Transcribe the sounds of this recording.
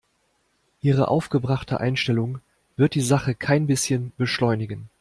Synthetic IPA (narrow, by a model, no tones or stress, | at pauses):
ʔiːʁ̞əʔa̰ʊfɡ̥əbʁaχtʰə̰ʔa̰ɪnʃtɛlʊŋ | v̥ɪɐt̚d̥iːzaχəkʰaɪnbɪsçənb̥əʃlɔʏnɪɡən